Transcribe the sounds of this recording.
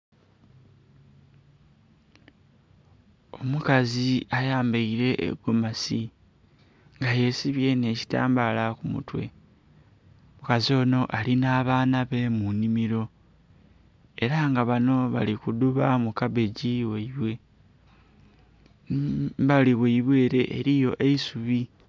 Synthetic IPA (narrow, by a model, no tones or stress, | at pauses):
o̞mukaziajaːmbeiɾe̞ʔḛɡomasi | ŋɡaje̞siβje̞ne̞ci̥ta̰ːmbalakumṵtwe̞̰ | mukazio̞ːno̞ʔalinaːβaːnaβe̞munimiɾo̞ | e̞ɾaŋɡaβano̞βa̰likuduβamukaβe̞ɟiweiβwe̞ | βaliβweiβwe̞ːɾe̞ʔḛɾijo̞ʔe̞isuβi